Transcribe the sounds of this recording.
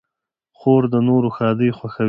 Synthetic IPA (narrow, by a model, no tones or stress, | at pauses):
xoɾd̪ənoɾoxɑd̪əjxwaxa